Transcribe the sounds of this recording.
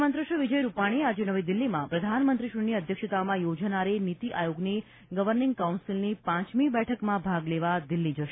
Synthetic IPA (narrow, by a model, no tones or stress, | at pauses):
mənt̪ɾəʃuʋid͡ʒəjɾupaɽ̃iad͡ʒenəʋid̪ɪlːimã̰pɾəd̪ʱanmənt̪ɾiʃuniəd̪ʱjəkʃət̪amãjod͡ʒnaɾenit̪iʔajoɡni | ɡəʋəɾnɪ̃ŋɡkawnsilnipãt͡ʃmibɛʈʰəkmãbʱaɡleʋad̪ɪlːid͡ʒəʃ